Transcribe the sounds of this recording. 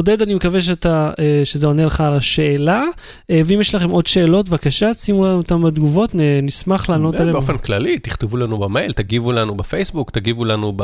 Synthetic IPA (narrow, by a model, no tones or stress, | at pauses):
od̪ed̪animekaveʃ̬eat̪aeʃezeoneleχaːlaʃe̞ːla | eveimjeʃlaχemo̞d̪ʃe̞ːlo̞t̪vakaʃasimulanot̪amad̪ɡuvo̞t̪nenismaχlaːno̞taleoofenklalit̪iχt̪evulanubamejlt̪aɡivulanubefejsbuktaɡivulanub